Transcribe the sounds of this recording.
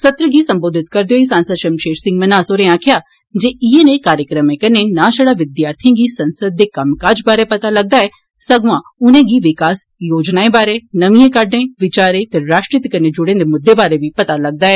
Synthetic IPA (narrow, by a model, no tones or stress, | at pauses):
sɐt̪ɾəɡisɐ̃mboːd̪ʱɪt̪kɐɾd̪ejoisãːnsəd̪ʃəmʃeːʃsɪ̃ŋɡmənaːsoːɾẽãːkʰjaː | d͡ʒeːienekaːɾjəkɾəmẽkɐnenaːʃəɽaʋɪd̪jaːɾt̪ʰjãːɡisɐ̃nsəd̪̚ːekɐmkaːd͡ʒbaːɾepɐt̪alɐɡ̚d̪aːɛː | sɐɡʋãʊnẽɡiʋɪkaːs | joːd͡ʒnaːebaːɾenɐmiẽkɐɾɖɳeʋɪt͡ʃaːɾet̪eɾaːʃʈɾɪt̪kɐned͡ʒʊɽẽnd̪emʊd̪ːebaːɾeʋipɐt̪alɐɡ̚d̪aːɛː